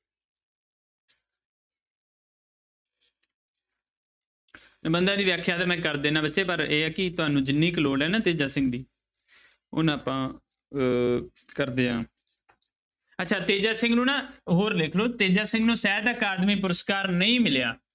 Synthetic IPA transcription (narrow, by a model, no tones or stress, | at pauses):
bənd̪ãːd̪iːʋjaːkʰjaːt̪eːmɛ̃ːkəɾd̪eːnãːbətːʃeːpəɾeːɛːkɪt̪ʊaːnũːd͡ʒɪnːiːkloːɽɛːnãːt̪eːd͡ʒaːsɪ̃ŋɡd̪iː | ʊ̰naːpãː | kəɾd̪eːã̰ː | ətːʃʰaːt̪eːd͡ʒaːsɪ̃ŋɡnũːnãːɦoːɾlɪkʰloːt̪eːd͡ʒaːsɪ̃ŋɡnũːsɛːd̪akaːd̪miːpʊɾəskaːɾnəĩːmɪlja̰ː